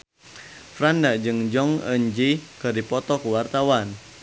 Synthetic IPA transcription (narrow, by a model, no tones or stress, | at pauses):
fɾandad͡ʒɨŋd͡ʒɔŋə̰ɲd͡ʒikɨdipɔt̪ɔkuwart̪awan